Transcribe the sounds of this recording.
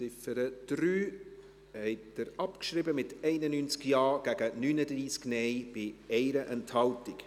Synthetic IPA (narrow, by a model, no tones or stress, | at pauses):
sɪfəɾəd̥ɾyː | hɛɪtd̥əɾɑpkʃɾɪbəmɪtɛɪnənyːnt͡skjɑːɡ̥æɡ̥ənynədriːsknɛɪb̥ɪɛɪɾəʔɛnthɑltɪk